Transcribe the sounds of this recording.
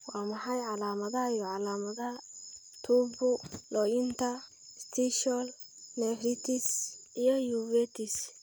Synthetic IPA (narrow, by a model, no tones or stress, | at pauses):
wɑːmɑħɑjʕɑlaːmɐðɐɦɐijɔʕɑlaːmɐðɐɦɐt̪ʰuːbʊlɔːjɪnt̪ʰɐ | st̪ʰiʃɔl | nɛfɾɪt̪ʰɪsijɔjuːvɛːt̪ʰɪs